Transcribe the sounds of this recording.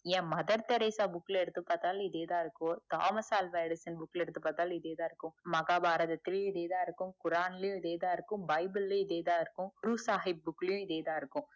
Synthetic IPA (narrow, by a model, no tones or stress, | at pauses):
jẽːmɐd̪ɐɾt̪eɾeːsaːbukleɾt̪upɐt̪alːid̪eːd̪aːɾkut̪a̰ːmɐsaːlʋeɖisɐnbukleɾt̪upɐt̪aːlid̪eːd̪aːɾkũmɐɡaːbʱaːɾɐd̪ɐt̪ɾiɭid̪eːd̪aːɾkũkuɾaːnlijũid̪eːd̪aːɾkũbɐjbɐlːeid̪eːd̪aːɾkũɾuːsaːɦib̚ːukːlijũid̪eːd̪aːɾkũ